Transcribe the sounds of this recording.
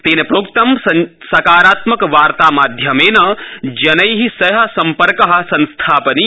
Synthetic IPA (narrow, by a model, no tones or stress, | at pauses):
t̪eːnɐpɾoːkt̪ɐm | sɐkaːɾaːt̪mɐkʋaːɾt̪aːmaːd̪ʱjɐmeːnɐd͡ʒɐnɐjɦisɐɦɐsɐmpɐɾkɐɦɐ̆sɐ̃nst̪ʰaːpɐni